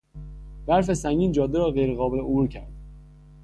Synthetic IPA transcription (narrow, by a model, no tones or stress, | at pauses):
bæɾfe̞sæŋɟiːnd͡ʒɒːd̪ːeɾɒːɣejɾeɣɒːbeleobuːɾcʰæ̰ɾd̪̥